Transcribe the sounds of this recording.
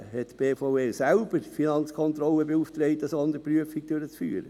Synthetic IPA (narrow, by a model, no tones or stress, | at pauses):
hɛtb̥eːfoʊesælb̥əɾfinɑnt͡sskʰɔnt̪ɾɔləbeuːftɾeɪt̪əsɔnd̪əɾpɾyəfiɡ̚d̥øɾət͡sfy̰ːɾə